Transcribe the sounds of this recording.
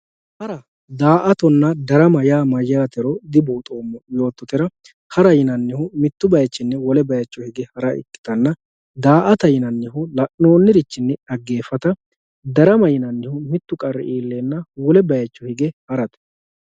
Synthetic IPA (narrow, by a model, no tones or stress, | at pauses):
hɐɾɐ | d̪aːʔɐt̪ɔnːɐd̪ɐɾɐmɐjaːmɐjːaːt̪ɛɾɔd̪ɪbuːt̪ʼoːmːɔjo̞ːt̪ːɔt̪ɪɾɐ | hɐɾɐjɪnɐnːɪhʊmɪt̪ːʊbɐjɐt͡ʃːɪnːɛwɔlɛbɐjɐt͡ʃːɔhɪɡɛhɐɾɐʔɪ̰kːɪ̥t̪ɐnːɐ | d̪aːʔɐt̪ɐjɪnɐnːɪɦʊlɐʔno̞ːnːɪɾɪt͡ʃːɪnːɛɐɡːe̞ːfɐt̪ɐ | d̪ɐɾɐmɐjɪnɐnːɪhʊmɪt̪ːʊkʼɐrːɛ̰ʔiːlːeːnːɐwɔlɛbɐjɐt͡ʃːɔhɪɡɛhɐɾɐt̪ɛ̥